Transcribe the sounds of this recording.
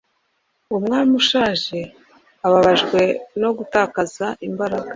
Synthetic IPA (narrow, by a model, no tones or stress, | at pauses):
omŋaːimuʃaːʒe̞ | aβaβaʒɡwe̞no̞ɡutaːkazaʔimbaɾaɡa